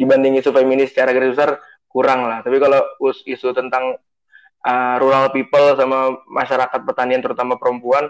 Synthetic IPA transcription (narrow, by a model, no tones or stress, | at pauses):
dibandɪŋisufeminɪst͡ʃaɾaɡəɾɪsbəsar | kuɾaŋlaht̪apikalousisut̪ənt̪aŋ | ʔəɾuɾalpipəlsamamaʃaɾakat̪̚pərt̪aniant̪əɾut̪amapəɾəmpuan